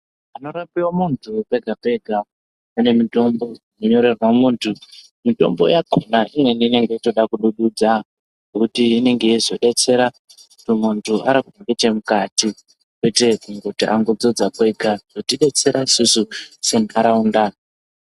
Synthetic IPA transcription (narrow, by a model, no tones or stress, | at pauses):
ano̞ɾapiwomuntʰupe̞ɡʱape̞ɡʱa | ane̞mito̞mbo̞inoɲo̞ɾe̞rwamuːntʰu | mito̞̰mbo̞̰jakonaʔiŋwe̞niine̞ŋɡe̞ito̞ɗakuɗuɗud͡za | ɡokutiːne̞ŋɡe̞izo̞ɗe̞t͡se̞ɾa | utumuntʰuaɾakunaɗetemukati | kwe̞te̞uŋɡotiʔaŋɡod͡zo̞d͡zakwe̞ɡʱaz̥otiɗe̞t͡se̞ɾaisususenaɾaunda